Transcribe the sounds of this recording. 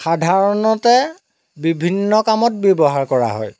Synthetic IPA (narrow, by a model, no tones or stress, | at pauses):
xadʱaɹɔnɔtɛ | bibʱinːɔkamɔt̚bjɔbɔɦaɹkɔɹa̰ɦɔ̰j